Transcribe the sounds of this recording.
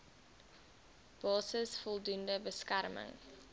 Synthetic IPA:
b̥ɑːsəsfɔlˠdundəbəskærmə̰ŋ

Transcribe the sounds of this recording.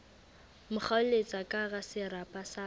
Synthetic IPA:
mʊk͡xʰaʊlet͡sʼakʼaɣasɪɾapʼasa

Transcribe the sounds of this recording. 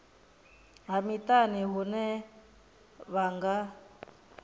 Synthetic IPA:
ɦamitʼaniɦunɛ | βaŋɡa

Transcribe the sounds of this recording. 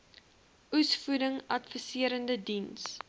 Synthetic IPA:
usfuɾəŋɐtfəsiəɾəndədins

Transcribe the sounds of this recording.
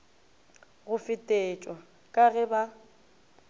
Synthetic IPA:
ɣʊfɪtʼeːt͡ʃʼwa | kʼaɣɛba

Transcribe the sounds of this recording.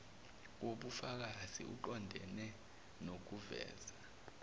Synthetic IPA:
woɓufak̬azḭʔṵǃɔndʱɛ̰nɛ | nok̬uvɛ̰ːza

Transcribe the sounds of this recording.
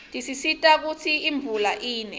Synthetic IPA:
tʼisisitʼak̬ut͡sʰiiɱbvulaʔiːnɛ

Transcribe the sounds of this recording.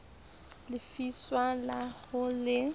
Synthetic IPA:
lɪfiswalaɣʊlɪ

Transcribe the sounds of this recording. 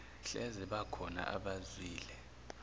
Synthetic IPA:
ɬɛzɛɓakʰɔna̰ʔa̰ɓazwiːlɛ

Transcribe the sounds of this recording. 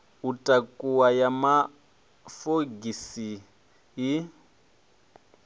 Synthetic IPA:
utʼakʼuwajama | foɡisi | ji

